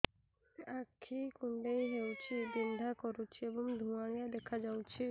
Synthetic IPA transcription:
akʰːikuɳɖejɦewt͡ɕʰibind̪ʱakɔɾut͡ɕʰieboŋd̪ʱuaɽ̃iad̪ɛkʰad͡ʑawt͡ɕʰi

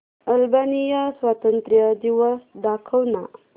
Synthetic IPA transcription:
əlbanijəswat̪ənt̪ɾjəd̪iwəsd̪akʰəwna

